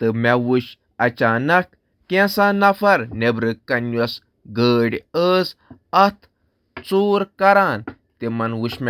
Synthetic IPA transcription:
t̪ɨmaʋuɕ | ɐt͡ɕanɐk | kɛ̃sãnɐfʰɐɾnebɾɨkːɐnjos | ɡəːɽʲəːsɐt̪ʰ | t͡suːɾkɐɾan | t̪emɐnʋuɕm

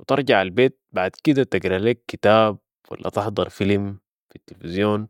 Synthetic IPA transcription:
wit̪ɑɾˤd͡ʒɑʕalbeːt̪̚baʕd̪kid̪at̪aɡɾaleːkːit̪aːb̚ | wa̰lːa̰t̪ɪħd̪ˤɑɾˤfilm | fit̪ːilfizjoːn

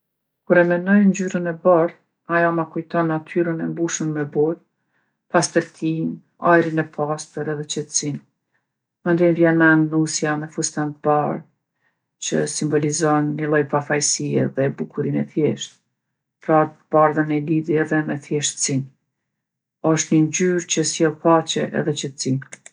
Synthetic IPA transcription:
kuɾɛmɛnɔjnd͡ʑyɾənɛbaɾ | ajɔmakujt̪ɔnːat̪ʰyɾənɛmbuʃənmɛbɔɾ | past̪əɾt̪ʰin | ajɾinɛpʰast̪əɾɛðɛt͡ɕɛt̪əsin | mənd̪invjɛnaŋɡnusjamɛfust̪ant̪̚baɾ | t͡ɕəsimbɔlizɔnːilˠɔjpafajsiɛ̰ðɛbukʰuɾinɛθjɛʃt̪̚ | pɾat̪b̥aɾðənɛliðiɛðɛmɛθjɛʃt̪sin | ɔʃt̪ɲəɲd͡ʑyɾt͡ɕəsjɛlˠpat͡ʃɛʔɛ̰ðɛt͡ʃət̪sin

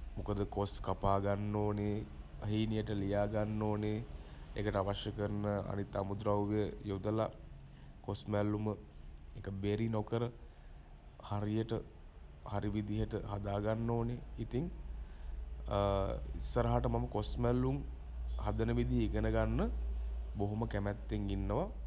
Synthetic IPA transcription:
mukəd̪əkoskapaːɡanːoːne | əɦiːnijəʈəlijaːɡanːoːne | ḛkəʈəaʋaʃjəkəɾənəa̰nit̪ːamud̪ɾawʋejəjod̪əla | kosmælːumə | ekəbeɾinokəɾə | haɾijəʈə | haɾiʋid̪iɦəʈəɦad̪aːɡanːoːneit̪iŋ | ḭsːəɾaɦaʈəmaməkosmælːuŋ | had̪ənəʋid̪iɦiɡənəɡanːəboɦoməkæmæt̪ːeŋinːəʋa

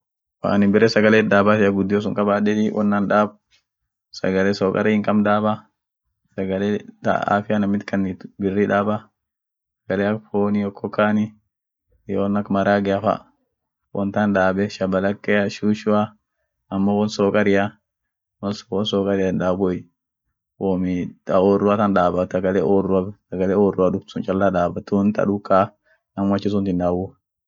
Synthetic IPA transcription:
wa̰ːnɪbɪɾɛsɐɡɐleːd̪aːbaːt̪ɪjɐɡʊd̪ːɪjos̬ʊŋkʼɐbaːᶑɛt̪ɪwʔɔ̰nːanᶑaːb | sɐ̰ɡɐlɛsoːkʼɐ̰ɾɛhɪŋkʼɐmd̪aːbɐ | sɐɡɐlet̪a̰a̰ːfɪjanɐmɪt̪kɐnːit̪bɪrːiᶑaːba | sɐɡɐleɐkfoːnijɔkʰːɔkʰːaːnɪ | jownːɐkːmɐɾaːɡɛɐfɐ̰ | wɔ̰nt̪anᶑaːbɛʃɐbɐlɐkːɛjɐʃuːʃʊa | ɐmːowɔnsoːkʼɐɾɪja | wɔswɔnsɔːkʼɐɾɪjanᶑaːbɔj | womɪɐoːrːʊɐt̪ɐnᶑaːbɐtɐɡɐlɛʔoːrʊasɐɡɐlɛoːrʊaᶑʊbtʊnt͡ʃʼɐlːaᶑaːbɐt̪uːnt̪ɐ̰ᶑʊkʼːa | nɐmwɐt͡ʃːɪs̬ʊnt̪ɪnᶑ̪aːbʊ

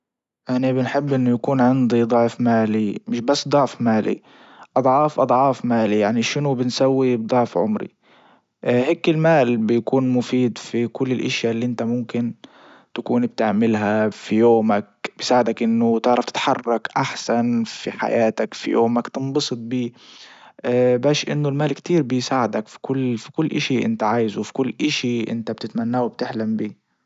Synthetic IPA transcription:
jaʕnibɪnħɪbːʔɪnːʊjakuːnʕɪnd̪id̪ˤɑʕfmaːlimɪʃbasːd̪ˤɑʕfmaːlḭ | ʔɑd̪ˤʕɑːfʔɑd̪ˤʕɑːfmaːlijaʕniʃɪnʊbɪnsawːibd̪ˤɑʕfʕʊ̰mɾḭ | heːkɪlmaːlbɪjakuːnmʊfiːd̪fikʊlːɪlʔaʃjalːiʔɪnt̪amʊmkɪn | t̪ḁkuːnb̚t̪ɪʕmɪlɦafijoːmak̚bɪjsaːʕɪd̪akʔɪnːʊt̪ɪʕɾˤɑft̪ɪ̥t̪ħɑrˤːɑkʔaħsanfḭħa̰jaːt̪akfḭjo̰ːmakt̪ɨnbɑsˤɨt̪̚ˤbiː | baːʃʔɪnːʊlmaːlkt̪iːɾbɪjsaːʕɪd̪akfi̥kʊlːfi̥kʊlːʔaʃiʔɪ̰nt̪aʕaːjzfi̥kʊlːʔaʃiʔɪ̰nt̪ab̚t̪ɪt̪manːaːwɪb̚t̪ɪħlambiː

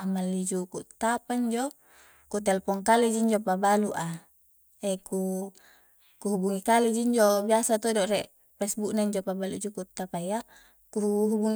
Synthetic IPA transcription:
amalːid͡ʒukuʔt̪ːapaɲd͡ʒo | kut̪ɛlpɔŋkaled͡ʒiɲd͡ʒopabaluʔa | ɛku | kuɦubuŋikaled͡ʒiɲd͡ʒobiasat̪odoʔɾɛʔ | pɛsbuʔnaiɲd͡ʒopabalṵʔd͡ʒukut̪ːapaia | kuuɦubuŋ

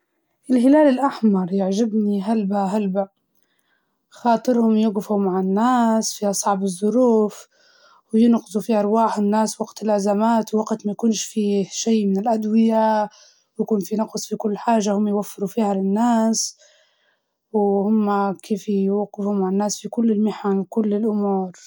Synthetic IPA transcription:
ʔɪlɦɪlaːlɪlʔaħmɑɾˤjaʕʒɪbniɦalbaɦalba | xɑːt̪ˤɨɾhʊmjʊɣɪfumaʕanːaːsfiʔɑsˤɑʕbɨzˤːʊɾuːf | wjɪnqɨzˤufiʔɑɾˤwaːħɪnːaːswaɡt̪ɪlʔazamaːt̪wwaɡt̪majakuːnʃfiʃaːmɪnɪlʔad̪wɪja | wjakuːnfinɑqsˤfikʊlːħaːʒːahʊmːjwafːɪɾufiːhalɪnːaːs | whʊmːakʰeːfjɡɪfhumaʕanːaːsfikʊlːɪlmɪħanwkʊlːɪlʔʊmuːɾ

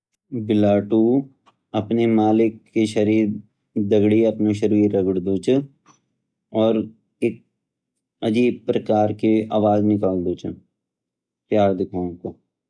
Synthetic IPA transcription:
bɪlaːʈu | ɐpnemaːlɪkːeʃɐɾiːɾ | d̪ɐɡɽiɐpnoʃ̬ɐɾiːɾːɐɡɽd̪ot͡ʃə | ɔːɾ | eːk̚ | ɐd͡ʒiːb̚pɾɐkaːɾkeaːʋaːznɪkaːld̪oːt͡ʃʰə | pjaːɾd̪ɪkʰaːõko

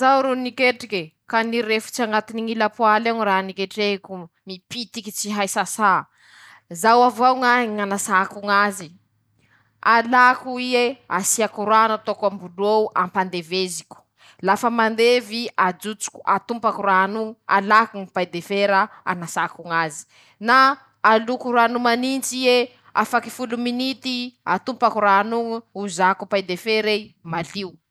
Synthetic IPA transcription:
zawɾunikeʈ͡ʂike | kaniɾefu̥t͡ʃiaŋɡat̪iniŋilapualeŋiranikeʈ͡ʂeku | mipit̪ikit͡siɦajsasa | zawavawŋaŋanasakuŋazi | alakuiea̰siakuɾwanat̪okambuloʔampand̪evezikʲu̥ | lafəmand̪eviad͡ʒut͡su̥kʲu̥ʔat̪umpakuɾanuŋua̰lakuŋipajd̪efeɾaa̰nasakuŋazi̥ | naː | lukuɾuanumanint͡sie | a̰faki̥fuluminit̪iat̪umpakuɾanuŋuuzakupajd̪efeɾemaliu

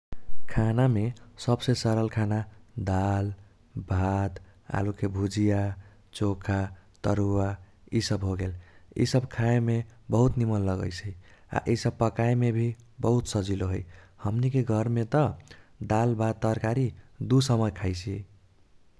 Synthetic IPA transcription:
kʰanamesəbsesəɾəlkʰanad̪al | bʱad̪ | a̰lukebʱud͡ʒija | t͡ʃokʰat̪əɾua | isəbɦoɡelḭsəbkʰaemebəɦut̪nimənləɡə̰jt͡ʃʰɛia̰ʔisəb̚pəkaemebʱi | bəɦut̪səd͡ʒiloɦoj | həmnikeɡʱʌɾmet̪ʌd̪albad̪t̪əɾkaɾid̪usəməjkʰajt͡ʃʰi

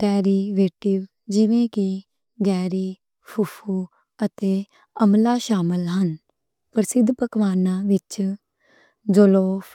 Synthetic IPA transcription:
kɛːɾiːʋeːʈɪʋ | d͡ʒɪʋẽːki | ɡɛːɾiː | pʰʊpʰuː | ət̪eː | əmlaːʃaːmɪlɦən | pəɾsɪd̪ːpəkʋaːnãːʋɪt͡ʃ | d͡ʒoloːpʰ

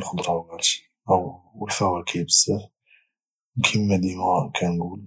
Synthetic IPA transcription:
lxod̪ɾˤɑwɡælʃi̥ | ʔæwəlfæwækʰæjbəsːəf | kʰimːæd̪imkʰænɡul

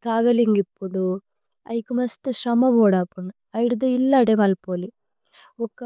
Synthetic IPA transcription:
ʈɾaːʋeliŋɡipːuɽu | ɐ̰jkumɐsʈ̪eʃɾɐmɐbɔːɽaːpuɳ | ɐjiɽud̪oilːaːɖemɐlpoːli | ɔkːɐ

